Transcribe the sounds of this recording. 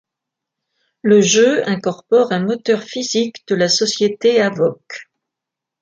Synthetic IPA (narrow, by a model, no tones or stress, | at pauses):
ləʒøɛ̃kɔʁpɔʁɛ̃mɔt̪œʁfizikd̪̥əlasɔsjet̪eavɔk